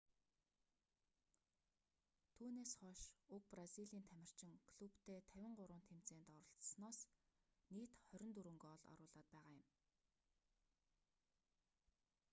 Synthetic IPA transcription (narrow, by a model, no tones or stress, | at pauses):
t̪ʰuːneːsχɔʃʊk̚praziɮiːnt̪ʰæmʲɪ̆r̥t͡ɕɪ̆ŋkɮupt̪ʰeːt̪ʰæwʲɪ̆ɴɢʊɾʊːnt̪ʰemt͡seːnt̪ɔɾɞ̆ɬt͡ssnɔːs | niːt̪χœɾʲɪ̆nt̪uɾŭŋɡːɔɮɔ̰ɾʊːɮaːt̪̚pæːʁaːjʊm